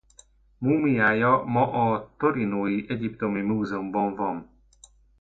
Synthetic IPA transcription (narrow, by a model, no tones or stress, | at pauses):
muːmijaːjɒmɒʔɒt̪oɾinoːjiʔɛɟipt̪o̞mimuːzɛumbɒɱvɒn